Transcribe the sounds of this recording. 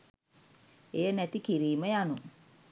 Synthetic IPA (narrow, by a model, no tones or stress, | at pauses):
ejənɛt̪ikiɾiːməjanu